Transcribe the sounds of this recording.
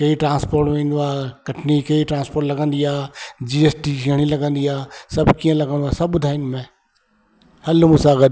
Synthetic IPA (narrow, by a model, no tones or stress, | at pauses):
kɐiʈɾãːnspoːɾʈmẽːnd̪uaːkɐʈʰnikɐiʈɾãːnspoːɾʈlɐɡə̃nd̪ijaːd͡ʒiːeːsʈiɐɽ̃ilɐɡə̃nd̪ijaːsɐbʱkijə̃lɐɡə̃nd̪uasɐbbʊd̪ʱaːɪnmẽː | hɐlmʊsaːɡəd̪